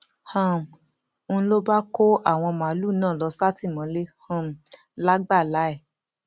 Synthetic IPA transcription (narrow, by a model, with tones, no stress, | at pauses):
hã˦˨m̩˨ | ñ̩˦lo˦ba˦ko˦a˦˨w̃ɔ̃˧mã˨˦lu˦˨nãː˦˨lɔ˨˧sa˦ti˦˨mɔ̃˨˦le˦hã˧˨m˨ | la˦ɡ͡ba˦˨la˨˦ɛ˦˨